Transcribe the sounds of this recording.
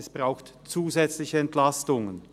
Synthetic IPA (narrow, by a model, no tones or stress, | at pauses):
ɛsb̥ʁaʊxtt͡suːzɛt͡slɪçəɛntlastʊŋən